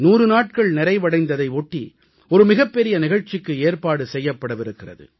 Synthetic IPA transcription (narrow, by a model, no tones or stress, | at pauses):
nuːrɯnaːʈ̚kɐɭnɪɾɐɪʋɐɽɐɪnd̪ɐðɐɪɔʈːḭ | ɔɾɯmɪɣɐpːɛɾɪjɐnɪɣɐɻt͡ʃːɪkːɯeːɾpaːɽɯsɛjːɐpːɐɽɯʋɪɾɯkːɪrɐ̰ðɯ̰